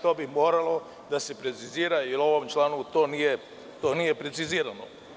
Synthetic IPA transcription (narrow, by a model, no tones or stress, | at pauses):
t̪obimoːɾalˠo̞ | d̪ase̞pɾet̪siziːɾajelo̞ʋo̞mt͡ʃlaːnut̪o̞ːnije̞ | t̪oːnije̞pɾe̞t̪siziːɾano̰